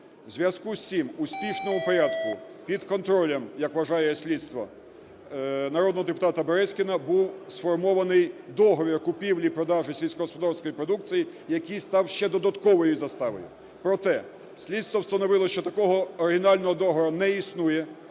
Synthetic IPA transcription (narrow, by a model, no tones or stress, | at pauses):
zʲʋʲjɐskusʲsʲimusʲpʲiʃnɔmʊpɔɾʲad̪kʊ | pʲid̪kɔnt̪ɾɔlʲɐmjɐkʋɐʒɑjɛsʲlʲid̪st̪ʋɔ̰ | nɐɾɔd̪nɔɦɔd̪epʊ̥t̪ɑt̪ɐbeɾɛsʲkʲɪnɐbuwsfɔrmɔʋɐnɪjd̪ɔɦɔʋʲirkʊpʲiwlʲipɾɔd̪ɑʒɪsʲilʲsʲkɔɦɔspɔd̪ɑrsʲkɔjipɾɔd̪uk̚t͡sʲijijɐkijst̪ɑwʃt͡ʃɛd̪ɔd̪ɐt̪kɔʋɔjʊzɐst̪ɑʋɔ̰jʊ̰ | pɾɔt̪ɛ | sʲlʲidt̪st̪ʋɔwst̪ɐnɔʋɪlˠɔʃt͡ʃɔt̪ɐkɔɦɔːɾɪɦɪnɑlʲnɔɦɔd̪ɔɦɔʋʲɾɐnɛisnujɛ